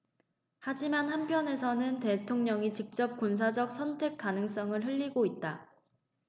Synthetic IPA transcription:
had͡ʑimanhanpʰjʌne̞s̬ʰʌnɯnte̞tʰoŋɲʌŋit͡ɕik̚t͡ɕ͈ʌp̚kons̬ʰad͡ʑʌk̚sʰʌntʰe̞k͈̚anɯŋs͈ʌŋɯɭɦɯʎːiɡoit̚t͈a

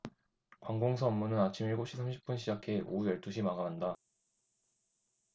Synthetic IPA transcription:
kwaŋɡoŋs̬ʰʌʌmːunɯnat͡ɕʰimiɭɡopɕʰisʰamɕʰi̥p͈̚unɕʰid͡ʑakʰe̞ʔojʌɭt͈uɕʰimaɡaɦanda

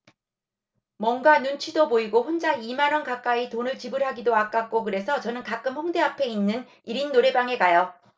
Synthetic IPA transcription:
mwʌnɡanunt͡ɕʰidoboiɡoɸond͡ʑaimanʌnkak͈aitonɯɭt͡ɕibɯɾɦaɡidoak͈ak̚k͈okɯɾe̞sʰʌt͡ɕʌnɯnkak͈ɯmhʌŋde̞apʰe̞inːɯn | iɾinːoɾe̞baŋe̞kajʌ

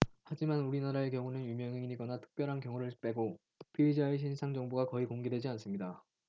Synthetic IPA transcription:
had͡ʑimanuɾinaɾaek̬jʌŋunɯnjumjʌŋeiiɡʌnatʰɯ̥k̚p͈jʌɾɦankjʌŋuɾɯɭp͈e̞ɡo | pʰiid͡ʑaeɕ̬ʰinsʰaŋd͡ʑʌŋboɡakʌikoŋɡe̞dwe̞d͡ʑians͈ɯmɲida

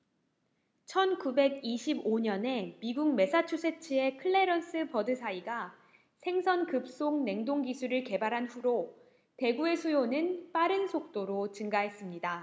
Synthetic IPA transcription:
t͡ɕʰʌnkube̞ɡiɕʰiboɲʌne̞miɡuŋ̚me̞sʰat͡ɕʰusʰe̞t͡ɕʰie̞kʰɯɭːe̞ɾʌns͈ʰɯpʌdɯsʰaiɡa | sʰe̞ŋsʰʌnkɯp̚s͈oŋne̞ŋdoŋɡisʰuɾɯɭke̞baɾɦanɸuɾo | te̞ɡue̞sʰujonɯnp͈aɾɯnsʰok̚t͈oɾot͡ɕɯŋɡaɦe̞s͈ɯmɲida

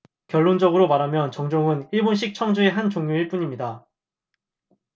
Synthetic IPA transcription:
kjʌɭːond͡ʑʌɡɯɾomaɾɦamjʌnt͡ɕʌŋd͡ʑoŋɯniɭbonɕ̬͈ʰik̚t͡ɕʰʌŋd͡ʑueɦant͡ɕoŋɲjoiɭp͈uɲimɲida

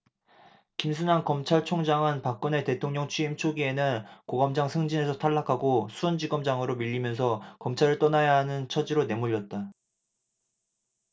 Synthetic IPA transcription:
kims̬ʰunankʌmt͡ɕʰaɭt͡ɕʰoŋd͡ʑaŋɯnpak̚k͈ɯne̞te̞tʰoŋɲʌŋt͡ɕʰɥiimt͡ɕʰoɡie̞nɯnkoɡʌmd͡ʑaŋsʰɯŋd͡ʑine̞sʰʌtʰaɭːakʰaɡosʰuʌnd͡ʑiɡʌmd͡ʑaŋɯɾomiʎːimjʌns̬ʰʌkʌmt͡ɕʰaɾɯɭt͈ʌnajaɦanɯnt͡ɕʰʌd͡ʑiɾone̞muʎːʌt̚t͈a

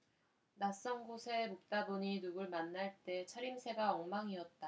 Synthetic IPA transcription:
nas͈ʌŋɡosʰe̞mok̚t͈adoɲinuɡɯɭmanːaɭt͈e̞t͡ɕʰʌɾimsʰe̞ɡaʌŋmaŋiʌt̚t͈a

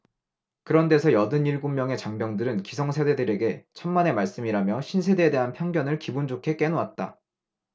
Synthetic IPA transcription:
kɯɾʌnde̞sʰʌjʌdɯɲiɭɡomjʌŋe̞t͡ɕaŋbjʌŋdɯɾɯnkisʰʌŋsʰede̞dɯɾe̞ɡe̞t͡ɕʰʌmːane̞maɭs͈ɯmiɾamjʌɕʰinsʰe̞de̞ːde̞ɦanpʰjʌŋɡjʌnɯɭkibund͡ʑokʰe̞k͈e̞noat̚t͈a

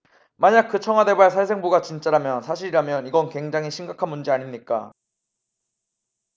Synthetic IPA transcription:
maɲak̚k͈ɯt͡ɕʰʌŋɦwade̞baɭsʰaɭs̬ʰe̞ŋbuɡat͡ɕint͡ɕ͈aɾamjʌnsʰaɕʰiɾiɾamjʌniɡʌnkwe̞ŋd͡ʑaŋɦiɕʰimɡakʰanmund͡ʑiaɲimɲik͈a̰

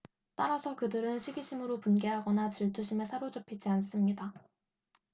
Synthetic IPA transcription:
t͈aɾasʰʌkɯdɯɾɯnɕʰiɡiɕʰimɯɾopunɡe̞ɦaɡʌnat͡ɕiɭtʰuɕʰimesʰaɾod͡ʑopʰid͡ʑians͈ɯmɲida

